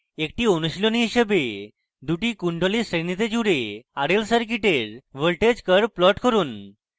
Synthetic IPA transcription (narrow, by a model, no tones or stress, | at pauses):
ekʈiːonuɕiloniɦɕəbe | d̪uʈiːkuɳɖʱolisɾenit̪ed͡ʑuɽeaɽelsəɾk̬iʈeɾʋəɭʈed͡ʑkəɾplɔʈkəɾuːn